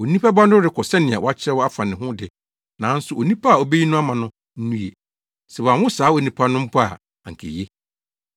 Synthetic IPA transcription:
o˨nĩ˦pʰa˦ba˦ndʊ˦ɾɪ˨kʰɔ˨sɛ˦nɪ̃˨a˨wɔ˨˦a˦t͡ɕʰɪ˦ɾɛ˦wɔ˦a˦fa˨nɪ̃˨ɦʊ̃˦dɪ˨ | nã˨˦n̩˦sʊ˨ʔo˨nĩ˦pʰa˦a˨o˨be˦ji˦nʊ̃˦a˦mã˨nʊ̃˦ | n̩˦nũ˦jḛ˨ | sɛ˨wa˨wʊ̃˦saː˨˦wo˨nĩ˨pʰa˦nʊ̃˦m̩˦pʰʊ˦a̰˨ | a˨ŋ̩˨kʰḛ˨je˦

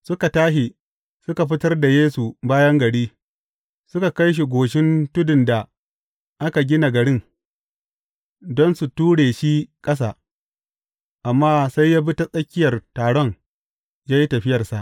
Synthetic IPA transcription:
sʊ˦ka˨taː˦ʃi˨ | sʊ˦ka˨ɸɪ˦tɐ˦rda˨jeː˦su˨baː˦jɐ˦ŋɡɐ˨ɽiː˦ | sʊ˦ka˨ka˦jʃ̬i˨ɡʷoː˨ʃɪ˦ntʊ˦dɪ˨nda˨ | ʔa˦ka˨ɡʲɪ˦na˨ɡɐ˨ɽɪ˦n | dɔ˦nsu˨tuː˦ɽeː˨ʃi˦kʼɐ˦s̬a˨ | ʔa˨mːaː˦sa˦jːaː˦bi˦ta˦sʼɐ˦kʲːɪ˦jɐ˨rtaː˨ɽɔ˦ŋ | jaː˦ji˦tɐ˨ɸɪ˦jɐ˨rsa˨ʔ

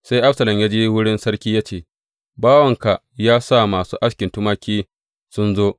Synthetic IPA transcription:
sa˦jʔa˦ɸsɐ˨lɐ˨mjaː˦d͡ʒeː˦wʊ˦ɽɪ˦nsɐ˦ɽkʲiː˦jaː˦t͡ʃeː˦˨ | baː˦wɐ˨ŋka˨ | jaː˦sa˦˨maː˨suː˦ʔa˦skʲɪ˨ntʊ˦maː˦kʲʰiː˦ | sʊ˦nzoː˦

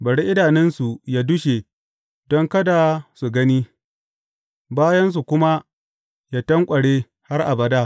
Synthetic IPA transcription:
bɐ˨ɽi˦ʔɪ˦daː˨nɛ˦nsu˨jaː˦dʊ˦ʃe˨ | dɔ˦ŋkɐ˦da˨su˨ɡɐ˦niː˦ | baː˦jɐ˦ns̬u˨kʷʊ˦ma˦ | ja˦tɐ˦ŋkʷʼɐ˨ɽeː˦ | ha˦rʔa̰˨bɐ˦daː˦

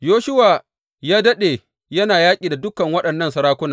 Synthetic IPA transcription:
joː˦ʃʊ˦waː˨ | jaː˦dɐ˦ɗeː˨ | jɐ˦naː˨jaː˦kʲʼiː˨da˨dʊ˦kːɐ˨ŋwɐ˦ɗɐ˨nːɐ˦˨nsɐ˨ɾaː˦kʷʊ˦naː˨

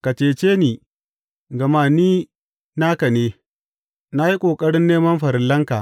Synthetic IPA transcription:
ka˨t͡ʃeː˨t͡ʃeː˦niː˨ | ɡɐ˨maː˦niː˦ | na˦kɐ˨neː˦ | na˦ji˦kʷʼoː˨kʼɐ˦ɽɪ˦nːeː˦mɐ˦mɸɐ˨ɾɪ˨lːɐ˦ŋka˨ʔ

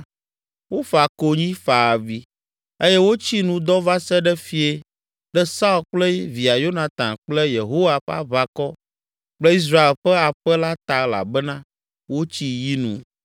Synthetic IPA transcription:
wo˦fa˨ko˨ɲĩ˦fa˨vi˨ | e˦jɛ˦wo˦t͡ɕi˦nũ˦d̪ɔ˦va˦sɛ˦ɖɛ˦fi˦e˦ | ɖɛ˦sa˦u˦˨lk͡plɛ˦vi˨a˨jo˦nã˨t̪ã˨k͡ple˦je˨ɦo˦wa˦ɸa̰˦βa˨kɔ˦ | k͡plɛ˦i˦s̬ɾa˦e˨lɸɛ˦a˨ɸɛ˦la˦t̪a˨la̰˨bɛ˦nã˦ | wo˦t͡ɕi˦ji˦nṵ̃˨

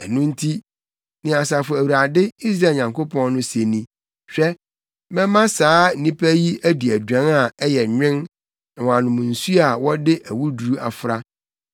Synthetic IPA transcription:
ɛ˨nʊ̃˦n̩˦tʰi˦ | nɪ̃˨a˨s̬a˨fʊ˨æ˨wu˨ɾa˨dɪ˦i˦s̬ɾaː˦˨ɲã˨ŋkʰo˦pʰɔ̃˦n˦nʊ̃˦se˨nĩ˦ | ɕᶣɛ˦ | mɛ̃˦mã˦saː˨˦nĩ˦pʰæ˦ji˦æ˦di˨æ˨dᶣã˨˦na˨ɛ˦jɛ˨ɲᶣɪ̃˦n˨ | wã˨nʊ̃˨mũ˨n̩˨su˦a˨wɔ˦dɪ˦ʔæ˨wu˦du˨ɾu˦a˨fɾa˦

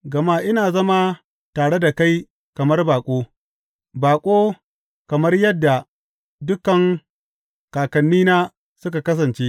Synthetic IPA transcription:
ɡɐ˨maː˦ʔɪ˦naː˨zɐ˦ma˦ | taː˨ɽe˦da˨ka˦j | kɐ˨mɐ˦rbaː˨kʷʼoː˦ | baː˨kʷʼoː˦ | kɐ˨mɐ˦rjɐ˦dːa˨ | dʊ˦kɐ˨ŋ | kaː˨kɐ˨nːiː˦naː˦ | sʊ˦ka˨kɐ˦s̬ɐ˨nt͡ʃeː˦ʔ

